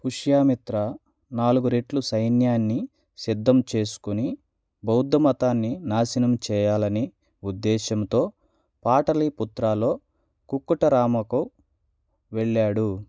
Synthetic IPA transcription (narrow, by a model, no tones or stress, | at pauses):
huʂjaːmit̪ɾɐ | naːluɡuɾeʈlusɐjnjaːnːi | sid̪ʱːɐmt͡ʃe̞ːsu̥kuni | bɐwd̪ːɐmɐt̪aːnːinaːsinɐmt͡ʃɛːjaːlɐni | ud̪ːɛːʃɐmt̪o̞ː | paːʈɐliput̪ɾaːlo̞ː | kukːuʈɐɾaːmɐku | ʋeɭːaːɽu